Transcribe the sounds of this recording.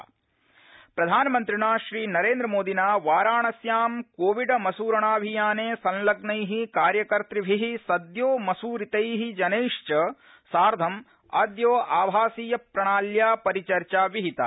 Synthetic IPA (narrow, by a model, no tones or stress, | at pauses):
pɾɐd̪ʱaːnɐmɐnt̪ɾiɳaːʃɾiːnɐɾeːnd̪ɾɐmoːd̪ʱinaːʋaːɾaːɳɐsjaːmkoːʋiɖɐmɐsuːɾɐɳaːbʱijaːneːsɐnlɐɡnɐjɦikaːɾjɐkɐɾt̪ɾiʋʱiɦisɐd̪joːmɐsuːɾit̪ɐjɦid͡ʒɐneːʂt͡ʃɐ | saːɾd̪ʱɐm | ɐd̪joːʔaːʋʱaːsiːjɐpɾɐɳ̃aːljaːpɐɾit͡ʃɐɾt͡ʃaːʋiɦit̪a̰